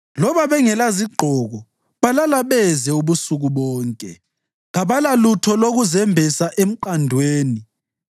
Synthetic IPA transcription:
lɔβaβɛŋɛlaziɡ͡ǃʱɔɣɔ | βalalaβɛzɛuβusuɣuβɔːŋkʼɛ̰ | ŋaβalalutʰɔloɣuzɛmbʱisaʔem̩ǃandʱweːni

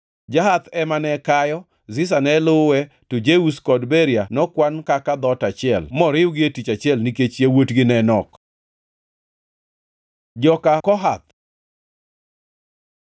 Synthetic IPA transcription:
d͡ʒaɦat̪ɛmanɛkajɔ | zɪs̬anɛlʊwɛ | tod͡ʒeuskɔdbɛɾijanɔkwankakad̪ɔtat͡ʃɪɛlmɔɾɪʊɡɪetit͡ʃat͡ʃɪɛlniket͡ʃjewotɡɪnɛnɔk | d͡ʒɔkakɔɦat̪̚

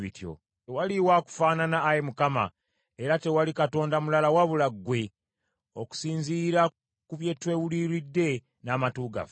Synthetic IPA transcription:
βḭtjo̰ | waliwaku̥faːnanaːjemukama̰ | e̞ɾate̞walikato̞ːndamulalawaβulaɡwe̞ | o̞ku̥siːnziɾa | kuβje̞ːtwe̞wuliɾidːe̞ | naːmatuːɡa̰f

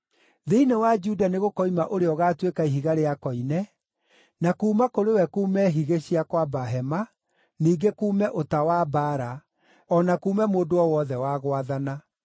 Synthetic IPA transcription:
ðeinewad͡ʒudaneɣokɔimaʔoɾeɔɣaːtwekaiɦiɣaɾeakɔinɛ | nakuːmakoɾewɛkuːmɛɦiɣeɕiakwabaɦɛma | niːɡekuːmɛʔotawabaːɾa | ɔnakuːmɛmoːdoɔwɔðɛwaɣwaðana

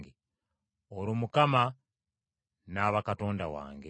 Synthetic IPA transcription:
ɡe | oɾumukama | naːβakato̞ːnda̰wa̰ːŋɡe

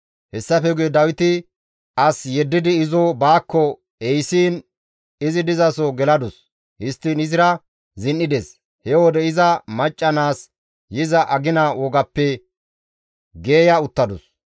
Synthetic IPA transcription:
hɛsːɐfɛɡʊjɛd̪ɐwɪt̪ɪ | ʔɐsjɛd̪ːɪd̪ɪːzɔbaːkːɔ | ɛjsiːn | ɪzɪd̪ɪzɐsɔɡɛlɐd̪ʊs | hɪst̪ːinɪzɪɾɐ | zɪnːɪd̪ɛs | hɛwɔd̪ɛɪzɐmɐt͡ʃʼːɐnaːs | jɪzɐʔɐɡɪnɐwɔɡɐpːɛ | ɡe̞ːjɐʊt̪ːɐd̪ʊs

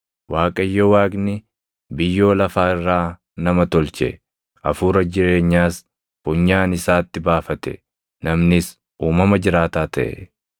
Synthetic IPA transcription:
waːkʼɐjːowaːɡnɪ | bɪjːo̞ːlɐfaːɪrːaː | nɐmɐt̪ɔlt͡ʃɛ̰ | ʔɐ̰fuːɾɐd͡ʒɪɾe̞ːɲːaːs | fʊɲːaːnɪsaːt̪ːɪbaːfɐt̪ɛ̰ | nɐmnɪs | uːmɐmɐd͡ʒɪɾaːt̪aːt̪ɐʔɛ̰

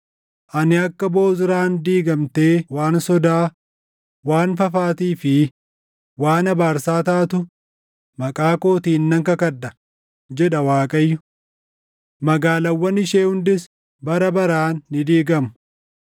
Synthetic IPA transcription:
ʔɐnɪɐkːɐbo̞ːzɪɾaːnd̪iːɡɐmt̪e̞ːwaːnsɔd̪aː | waːnfɐfaːt̪iːfɪ | waːnɐbaːɾsaːt̪aːt̪ʊ | mɐkʼaːkoːt̪iːnːɐŋkɐkɐᶑɐ | d͡ʒɛᶑɐwaːkʼɐjːʊ | mɐɡaːlɐwːɐnɪʃeːhʊnd̪ɪs | bɐɾɐbɐɾaːnːɪd̪iːɡɐm

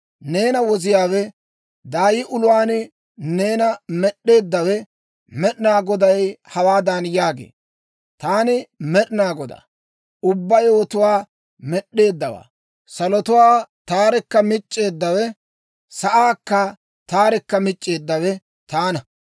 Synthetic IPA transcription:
ne̞ːnɐwɔzɪjaːwɛ | d̪aːjɪʔʊlʊwaːn | ne̞ːnɐmɛɗːe̞ːd̪ːɐwɛ | mɛɗɪnaːɡɔd̪ɐjhɐwaːd̪ɐnjaːɡḛː | t̪aːnɪmɛɗɪnaːɡɔd̪a̰ | ʊbːɐjoːt̪ʊwaː | mɛɗːe̞ːd̪ːɐwa̰ː | sɐlɔt̪ʊwaːt̪aːɾɛkːɐmɪt͡ʃʼːe̞ːd̪ːɐwɛ | sɐʔaːkːɐ | t̪aːɾɛkːɐmɪt͡ʃʼːe̞ːd̪ːɐwɛ | t̪aːnɐ

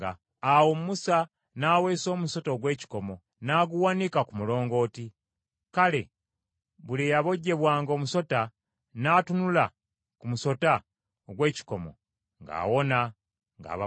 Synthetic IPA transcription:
aː | womumusa | naːwe̞ːso̞ːmuso̞to̞ːɡwe̞ːci̥ko̞mo̞ | naːɡuwanikakumulo̞ːŋɡo̞ːti | kale̞ | βulijaβo̞ɟːe̞βwaːŋɡoːmuso̞ta | naːtunula | kumuso̞ta | oɡwe̞ːci̥ko̞mo̞̰ | ŋɡa̰ːwo̞na | ŋɡa̰ːβa

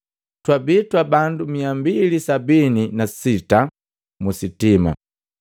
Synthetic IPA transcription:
twabitwabandumiambilisabininasita | musitima̰

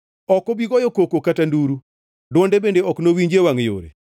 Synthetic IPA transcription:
ɔkɔbiɡɔjɔkokokatanduɾu | dwɔndebendeɔknowiɲd͡ʒewaŋjo̰ɾḛ

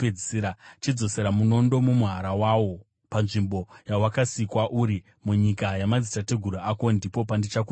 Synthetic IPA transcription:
eɾat͡ʃid͡zo̞se̞ɾamuno̞ndo̞mumuɦaɾawaːwo̞ | panʐimbo̞jawakasikwaʔuːɾi | muɲikajamad͡zitate̞ɡʱuɾuako̞ndipo̞pandit͡ʃaku

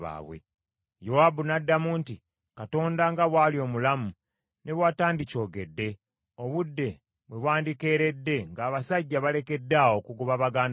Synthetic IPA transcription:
a̰βwḛ | jowabunadːamuːnti | kato̞ːndaŋɡaβwaːlio̞ːmulamu | ne̞βwaːtaːndico̞ːɡe̞dːe̞ | o̞βudːe̞ | βwe̞βwaːndike̞ːɾe̞dːe̞ŋɡaːβasaɟːaβale̞ke̞dːaokuɡuβaβaɡaːnd

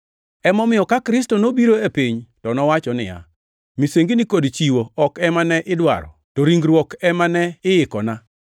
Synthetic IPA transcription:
ɛmɔmɪjɔkakɾɪstonobiɾoepiɲtɔnɔwat͡ʃɔnɪ̰ja̰ | miseŋɡinɪkodt͡ʃiwoɔkɛmanɛʔɪdwa̰ɾɔ̰toɾiŋɡɾwɔkɛmanɛɪɪkɔna

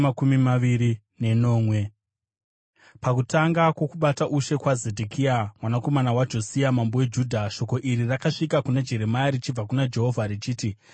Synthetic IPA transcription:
akumimaʋiɾi | ne̞no̞ːmwe | pakutaŋɡakwo̞kuɓataʔuʃe̞kwaze̞dʱikʰiamwanako̞manawad͡ʒo̞siamambowe̞d͡ʒuːdʱaʃo̞ko̞ʔiɾirakaʂikakuned͡ʒe̞ɾe̞majaɾit͡ʃib͡vakunad͡ʒe̞ɦo̞vʱaɾit͡ʃiːti

